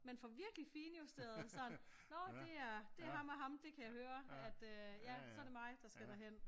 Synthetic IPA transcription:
menfɒ̽ʋiɐɡ̥lifiːnjusd̥eɐð̩ˠsɒ̽nnɒ̽d̥e̝æɐd̥e̝æɐɦɑ̈mæɦɑ̈md̥e̝kʰæjɑhøːɐæd̥øjæsɒ̽æɐɾ̥e̝mɑ̈ɪd̥ɑ̈sɡ̥æd̥ɑɦen̰

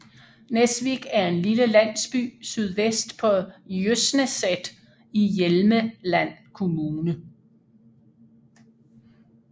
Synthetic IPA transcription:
nesʋiɡ̥æɐe̝nliləlæn̰sb̥y̰ːsyð̞ˠʋesd̥pʰɒ̽jøsnəsed̥ | ijelməlæn̰kʰo̝muːnə

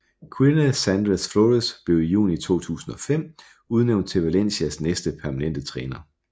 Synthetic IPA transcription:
kʰwinəsænd̥ʁesfloʁisb̥le̝ʊijṵːnit͡sʰo̝̰ːt͡sʰṵːsn̩ɒ̽fem̰ | uð̞ˠneʊnd̥̚t͡sʰe̝ʋælen̰ɕiæsnesd̥əpʰæɐmænen̰d̥ət͡sʰʁɛːnɐ

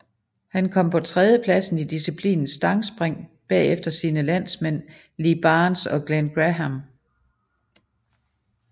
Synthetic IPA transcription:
hænkʰɒ̽m̰pʰɒ̽t͡sʰʁɛðˠjəpʰlæsn̩id̥isipʰlḭːnn̩sd̥ɑ̈ŋsb̥ʁeŋ̰b̥ɛ̰ːefd̥ɐsiːnəlæn̰smen̰ | lib̥ɑːnsɒ̽ɡ̥lænɡ̥ʁæɦæm

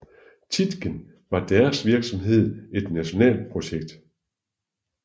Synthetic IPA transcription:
t͡sʰid̥ɡ̥ən | ʋɑ̈d̥æɐsʋiɐɡ̥sɒ̽mɦe̝ð̞̰ˠe̝d̥næɕo̝nɛ̰ːl̚pʰʁo̝ɕeɡ̥̚d̥

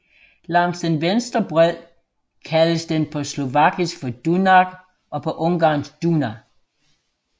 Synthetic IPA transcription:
lɑ̈ŋsd̥enʋensd̥ʁɐb̥ʁɛl̰ | kʰæləsd̥enpʰɒ̽slo̝ʋɑ̈ɡ̥isɡ̥fɒd̥unɑɡ̥ | ʔɒ̽pʰɒ̽ʔɔ̽ŋɡ̥ɑ̈ːnsd̥unæ

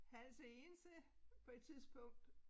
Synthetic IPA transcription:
hæl̰səe̝ːnsəpʰɒ̽e̝d̥̚t͡sʰiðˠsb̥ɔ̽ŋ̰d̥

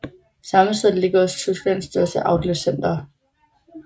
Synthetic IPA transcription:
sɑ̈məsʰeð̰ˠle̝ɡ̥ɐɒst͡sʰysɡ̥læn̰sd̥øɐsəʔɑ̈ʊd̥løsen̰d̥ɐ

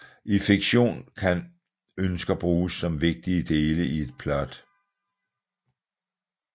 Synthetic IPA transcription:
ʔifiɡ̥ɕo̝̰ːnkʰæn | ønsɡ̥ɐb̥ʁuːsːɒ̽mʋe̝ɡ̥̚d̥iəd̥e̝ːləʔie̝d̥̚pʰlɒd̥

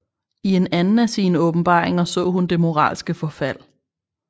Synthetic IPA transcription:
ie̝nænn̩æsiːnəɔ̽b̥m̩b̥ɑ̰̈ːeŋɐsɔ̰̽ːɦund̥e̝mo̝ʁɑ̰̈ːlsɡ̥əfɒ̽fæl̰

